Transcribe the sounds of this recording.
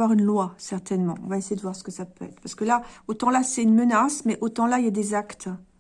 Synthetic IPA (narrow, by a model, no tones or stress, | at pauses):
waʁynlwasɛʁt̪ɛnmɑ̰̃ɔ̰̃vaesejed̪əvwaʁsə̥kəsapøɛ̰t̪χpaʁsə̥kəlaot̪ɑ̃lasɛynmənasmɛʔot̪ɑ̃lailjad̪ezakt̪